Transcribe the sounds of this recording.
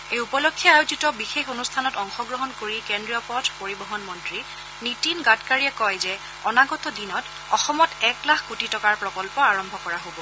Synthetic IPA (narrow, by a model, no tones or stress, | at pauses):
ejupɔlokʰːjɔajozitɔbixexonustʰanɔtɔŋxɔɡɹɔɦɔnkoɹikendɹiɔpɔtʰpoɹibɔɦɔnmɔntɹi | nitinɡatkaɹiɛkɔjzɛ | ɔnaɡɔtɔdinɔt | ɔxɔmɔtɛklakkutitɔkaɹpɹɔkɔlpɔaɹɔmbʱɔkɔɹaɦobɔ